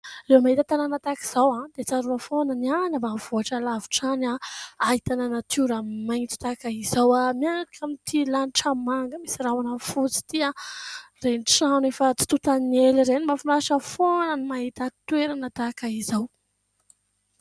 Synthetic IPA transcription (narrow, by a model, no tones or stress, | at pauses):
lewmaɦit̪ət̪ananət̪aki̥z̥awãd̪̥et͡saɾunəfonənianabav̥oaʈ͡ʂalavi̥ʈ͡ʂanaait̪ananat̪ʰuɾamajŋit͡si̥t̪akaizawamiaŋɾakamit̪ʰilanʈ͡ʂəmaŋɡəmisirawanafut͡si̥t̪iarenʈ͡ʂanefət͡si̥t̪ut̪aneliɾenimafunaʃəfonənimaɦit̪at̪weɾanət̪akaizaw